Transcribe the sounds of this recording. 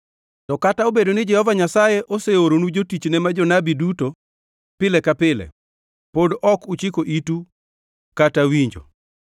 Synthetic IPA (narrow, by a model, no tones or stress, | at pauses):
tɔkataobedonɪd͡ʒɛhɔvaɲasajeʔoseoɾonud͡ʒotit͡ʃnɛmad͡ʒɔnabiduto | pɪlɛkapɪlɛ̰ | podɔkut͡ʃɪkoʔitu | katawiɲd͡ʒo̰